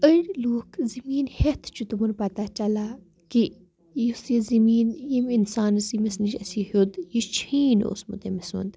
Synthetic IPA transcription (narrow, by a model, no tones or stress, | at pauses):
ənʲloːkzimiːnhet̪ʰt͡ʃʰut̪umunpɐt̪at͡ʃɐla | ki | jusjizimiːnjiminsaːnɨsimisnit͡ʃɐ̰siɦod̪jit͡ʃʰiːno̰smṵt̪emisṵnd̪